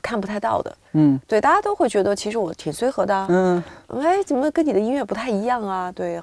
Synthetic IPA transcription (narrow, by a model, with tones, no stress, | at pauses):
kʰnpu˧˥˧ɪt̪ɑ˥˩ʊd̪ə̰˩˥˩t̪we˥˩ɪt̪a˥˩t͡ɕa˥t̪o˥ʊxwe˥˩ɪt͡ɕɥɛ˧˥d̪ə˧t͡ɕʰi˧˥ʂɻ̩˧˥wɔ˨˧˥t̪ʰi˨˩ŋswe˥ɪxɤ˧˥d̪ə̰˧˥˩e˥ɪt͡sə˨˩mə˧˦kə˥nni˨˩d̪ə˦i˥nɥɛ˥˩pu˧˥t̪ʰa˥˩ɪi˧˥jɑ˥˩ŋɐ˩t̪we˥˩ɪ